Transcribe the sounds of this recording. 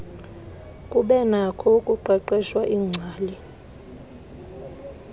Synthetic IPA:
kʼuɓɛnakʰɔkʼuǃɛǃɛʃwaʔiːŋ͡ǀʱaːli

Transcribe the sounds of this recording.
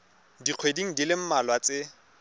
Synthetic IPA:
diq͡χʰwediŋ̩dilɪm̩malwat͡sɪ

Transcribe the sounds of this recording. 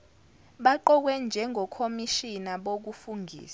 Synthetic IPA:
ɓaǃɔk̬wɛnd͡ʒʱɛŋʱɔkʰomiʃinaɓok̬ufuŋɡʱḭːs

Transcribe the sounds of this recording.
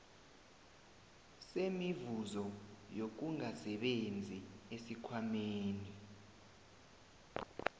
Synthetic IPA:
semivuzɔjok̬uŋasɛɓend͡zʱiesikʰwameːni

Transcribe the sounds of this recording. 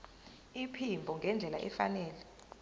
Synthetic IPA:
ipʰimbʱɔŋɡʱɛnd͡ɮʱɛlaʔɛfa̰nɛːlɛ

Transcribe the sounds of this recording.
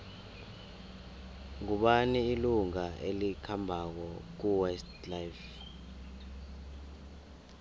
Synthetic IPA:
ŋuɓaniːluŋaʔelikʰambʱak̬ɔk̬uwɛst | lajf

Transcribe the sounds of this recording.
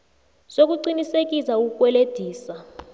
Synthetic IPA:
sok̬uǀinisek̬isaukkʼwɛled̥ʱiːsa

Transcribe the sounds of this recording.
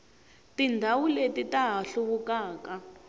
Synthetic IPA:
tindʱawuletitaɦaɬuβukaːka

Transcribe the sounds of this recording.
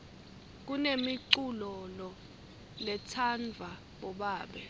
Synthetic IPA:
k̬unemiǀulɔlɔ | lɛtʰand͡vʱa | ɓɔɓaːɓɛ

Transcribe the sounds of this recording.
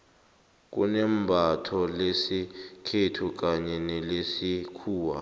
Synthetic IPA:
k̬ṵnɛmbʱatʰɔlesikʰetʰuk̬aɲɛnɛlesikʰuːwa̰

